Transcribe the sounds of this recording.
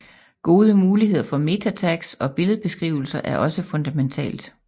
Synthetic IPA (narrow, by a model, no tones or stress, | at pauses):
ɡ̥o̝ːð̞ˠəmuːliɦe̝ð̰ˠɐfɒ̽me̝t͡sʰæt͡sʰæɡ̥sɒ̽b̥e̝ləðˠb̥e̝sɡ̥ʁḭːʊl̩sɐʔæɐʔɒ̽səfɔ̽nd̥æment͡sʰɛ̰ːld̥